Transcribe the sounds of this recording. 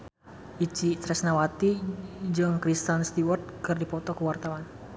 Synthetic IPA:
ʔit͡ʃit̪ɾɛsnawat̪id͡ʒɨŋkɾist̪anst̪iwɔrt̪̚kɨrdipɔt̪ɔkəwart̪awan

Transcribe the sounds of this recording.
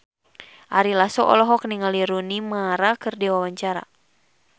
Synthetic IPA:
ʔaɾilasɔʔɔ̰lɔɦɔk̚niŋaliɾunimaɾakɨrdiwawaɲt͡ʃaɾa̰

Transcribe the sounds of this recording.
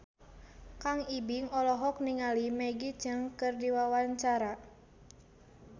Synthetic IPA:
kaŋibiŋɔlɔɦɔk̚niŋalimɛɡid͡ʒɨŋkɨrdiwawant͡ʃaɾa

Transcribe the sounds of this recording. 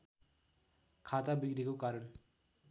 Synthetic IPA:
kʰat̪abikɾikokaɾʌn

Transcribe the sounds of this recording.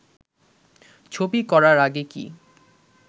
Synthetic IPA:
t͡ɕʰobikɔɾaɾaɡekḭ

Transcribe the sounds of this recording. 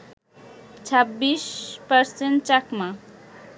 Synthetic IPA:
t͡ɕʰabːiʃpaɾsenʈ̚t͡ɕakma

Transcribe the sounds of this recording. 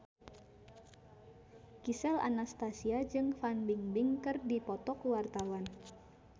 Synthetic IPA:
kisɛla̰nast̪asiad͡ʒɨŋfanbiŋbɪŋkɨrdipɔt̪ɔkwart̪awan

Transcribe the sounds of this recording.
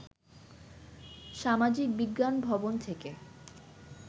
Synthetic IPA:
ʃamad͡ʑik̚biɡːanbʱɔbont̪ʰeke

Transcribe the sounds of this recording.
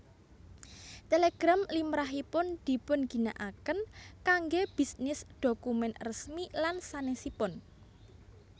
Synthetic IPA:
t̪eleɡ̥ɾamlimɾaɦipʊnd̪̥i̤pʊnɡ̥i̤naʔakənkaŋɡeb̥i̤snɪsd̥okumɛnrəsmilansanɛsipʊn

